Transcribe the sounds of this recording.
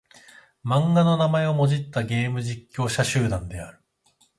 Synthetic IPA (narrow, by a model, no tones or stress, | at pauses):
mãŋɡano̞namae̞o̞mo̞ʑit̪ːaɡe̞ːmɯ̟ʑikʲːo̞ːɕaɕɨːd̪ãnd̪e̞aɾɯ̟